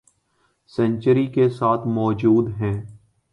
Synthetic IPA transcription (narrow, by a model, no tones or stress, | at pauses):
sɛ̃nt͡ʃəɾikesaːt̪ʰmɔːd͡ʒuːd̪ɦɛ̃ː